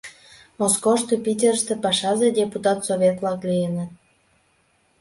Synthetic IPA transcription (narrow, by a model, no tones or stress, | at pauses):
moskoʃt̪opʲitʲerʃt̪ĕpɑʃɑzedʲeput̪ɑt̪soβʲet̪lɑklienət̪̚